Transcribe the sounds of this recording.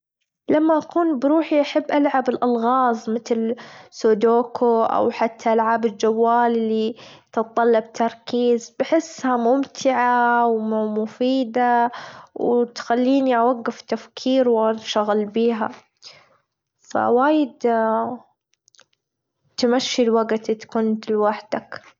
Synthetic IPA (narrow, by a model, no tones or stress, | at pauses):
lamːaʔakuːnbɾuːħiʔaħɪbːʔalʕabɪlʔalɣɑːzˤmɪt̪lsoːd̪oːkʰoʔa̰wħat̪ʰːaʔalʕaːbɪld͡ʒawːaːlɪlːit̪ɨt̪tˤːɑlːɑb̚t̪ʰɑɾˤkiːzbɪħɪsːhamʊmt̪ʰɪʕawmmʊfiːd̪awt̪xalːiːniʔawaɡːɪft̪afkʰiːɾwanʃaɣɪlbiːɦa̰ | fa̰waːjɪd̪ | t̪maʃːilwaɡt̪t̪kʊːnt̪lwaħd̪ak